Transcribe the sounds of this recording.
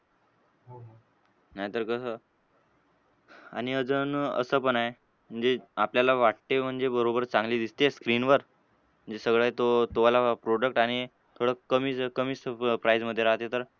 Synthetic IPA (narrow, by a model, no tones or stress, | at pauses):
ɦ | najt̪əɾkəsə | a̰ɽ̃iəd͡zənə̰səːpəɳaɦe | m̤əɳd͡zeapljalaʋaʈ̚t̪em̤əɳd͡zebəɾobəɾt͡sãŋɡliːd̪ist̪eskɾinʋəɾ | m̤əɳd͡zesəɡɭat̪ot̪oʋalapɾoɽək̚ʈaɽ̃i | t̪ʰoɽəkəmiːkəmiːsəpɾajd͡zməd̪ʱːjeɾaɦt̪et̪əɾ